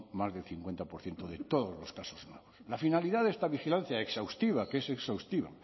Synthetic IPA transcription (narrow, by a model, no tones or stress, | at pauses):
mazðelθiŋkwe̞nt̪apoɾθje̞nt̪oðet̪oðozlo̞skasoznweβoslafinaliðaðest̪aβixilan̟θjaeksawst̪iβ̞akeseksawst̪iβa̰